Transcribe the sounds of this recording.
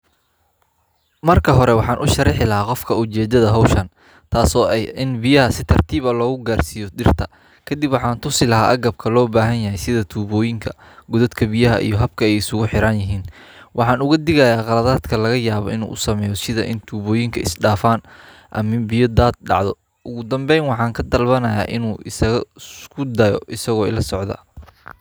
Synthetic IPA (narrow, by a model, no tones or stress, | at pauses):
mɐrkʰɐɦɔɾɛwɑħɑːnʔʊʃɐɾɪħɪlɐɦaːqɔfkʰɐʊt͡ʃɛːd̪ɐðɐɦɔwʃɐn | t̪ʰaːsɔːʔɛjʔɪnbɪjɐɦɐsɪt̪ʰɐrt̪ʰiːβɐlɔːɣʊɡaːrsijɔɖɪrt̪ʰɐ | kʰɐd̪ɪbwɑħɑːnt̪ʰʊsɪlɐɦaːʔɐɡɐb̚kʰɐlɔːbaːɦɐnjɐɦɛjsɪðɐt̪ʰuːβɔːjɪŋkʰɐ | ɡʊðɐd̪kʰɐbijɐɦɐ̰ʔḭjɞɦɐb̚kʰɐɛjɪsʊɣʊħɪɾɐnjɪɦiːn | wʔɑħɑːnʊɣɐd̪ɪɣɐjaːqɑlɐðaːd̪kʰɐlɐɣɐjaːβɔɪnṵːʔʊsɐmɛːjɔsɪðɐ̰ʔɪnt̪ʰuːβɔːjɪŋkʰɐɪsɖaːfaːn | ʔɐ̰mɪmbɪjɔd̪aːd̪̚ɖɑ̰ʕðɔ | ʔʊɣʊd̪ɐmbɛjnwɑħɑːŋkʰɐd̪ɐlbɐnɐja̰ːʔɪnuːʔɪsɐɣɐkʰʊd̪ɐjɔ̰ʔɪsɐɣɔːɪ̰lɐsɔʕd̪ɐ̰